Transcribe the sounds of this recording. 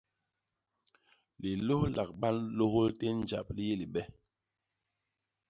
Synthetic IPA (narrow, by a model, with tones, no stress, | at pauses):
li˨lo˦hlʔa˨k̚ɓa˦nlo˦ho˦lte˦n˦d͡ʒa̰˨p̚li˦je˦li˨ɓɛ˦